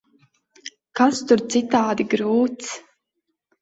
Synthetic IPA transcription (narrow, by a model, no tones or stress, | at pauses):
kast̪ʊɾt̪sit̪aːd̪iɡɾuːt̪s